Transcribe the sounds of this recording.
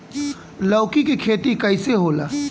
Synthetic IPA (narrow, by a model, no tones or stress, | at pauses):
lɔːkikikʰeːt̪ikɐɪseɦoːla̰ː